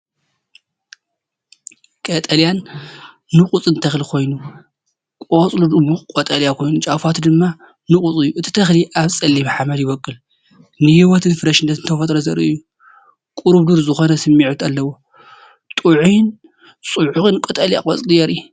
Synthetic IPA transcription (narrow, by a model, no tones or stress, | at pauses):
kʼɐt̪ʼɐljanː | ɨkʼut͡sʼɨnt̪ʰɐxlikʰo̞jnu | kʼot͡sʼlud̪umukʼot̪ʼɐljakʰo̞jnut͡ʃʼafat̪d̪ɨmːa | nukʼut͡sʼɨjːuɨt̪ʰi̥t̪ʰɐxliʔaβsʼɐlːiβħamɐd̪jɪβɐkʼːɨl | nɨhiwɔt̪ʰɨnfɨɾɐʃɨnːɐt̪ɨnt̪ʰɐfɐt̪ʼɾɐzɐɾḭʔɨjːu | kʼuɾuβd̪uɾzɨxo̞nɐsɨmːiʕut̪alːɐwo | t̪ʼuʕujn | sʼuʕuxɨnkʷʼot̪ʼɐlja̰kʼot͡sʼlijɛɾi